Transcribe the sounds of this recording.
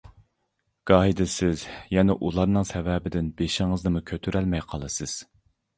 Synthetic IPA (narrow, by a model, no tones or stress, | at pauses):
ɡ̥ɑːɦid̪ɪsɪzjɛnɛʔulˠɑɾnɨŋsɛvɛːbɪd̪ɪnbeʃɪŋɨznɨmukʲʰøt̪ʰyɾɛlmɛjqʰɑlˠɨsɨz̥